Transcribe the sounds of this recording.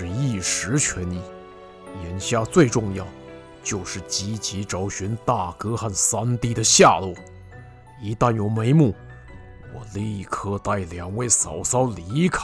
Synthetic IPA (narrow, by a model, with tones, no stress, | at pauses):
ʂɻ̩˥˧i˥˩ʂɻ̩˧˥t͡ɕʰɥɛ˧˥ni˥˩ | jɛ˧˥nɕja˥˧t͡swe˥˧ɪʈ͡ʂʊ˥˧ŋjɑ˥˩ʊ | t͡ɕjo˥˧ʊʂɻ̩˥˩t͡ɕi˥t͡ɕi˧˥ʈ͡ʂɑ˧˥ʊɕy˧˥nt̪a˥˩kɤ˥xa˥˩nsa˥nt̪i˥˩d̪ə˨ɕja˥˧lu˥˩ | i˧˥t̪a˥˩njo˨˩ʊme˧˥ɪmu˥˩ | wɔ̰˨˩li˥˧˥kʰɤ˥˧t̪a˥˩ɪljɑ˨˩ŋwe˥˩ɪsɑ˨˩ʊsɑ˥ʊli˧˥kʰa˥